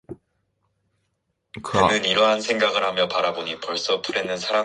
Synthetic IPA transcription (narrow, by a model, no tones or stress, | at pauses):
kkɯnɯniɾʌɦansʰe̞ŋɡaɡɯɭhamjʌpaɾaboɲipʌɭs͈ʌpʰuɾe̞nːɯnsʰaɾa